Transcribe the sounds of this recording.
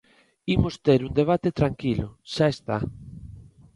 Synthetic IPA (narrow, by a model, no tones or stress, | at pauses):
imost̪eɾund̪eβ̞at̪et̪ɾaŋkilʊʃaest̪a